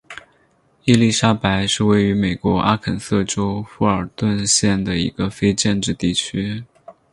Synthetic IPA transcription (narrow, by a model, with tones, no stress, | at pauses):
i˥˧li˥˩ʂa˥pa˧˥ɪʂɻ̩˥˧we˥˩ɪy˧˥me˨˩ɪkwɔ˧˥ʔa˥kʰə˨˩nsɤ˥˩ʈ͡ʂo˥ʊfu˥˩ə˞˨˩t̪wə˥˧nɕjɛ˥˩nd̪ə˩ḭ˧˥ɡ̥ə˧fe˥ɪʈ͡ʂɛ˥˧nʈ͡ʂɻ̩˥˧t̪i˥˩t͡ɕʰy˥